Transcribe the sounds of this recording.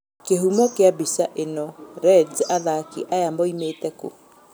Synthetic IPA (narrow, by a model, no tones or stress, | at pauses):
kehumɔkeabisaʔenɔɾɛd͡ʒaðakiʔajamɔimeːtɛko̰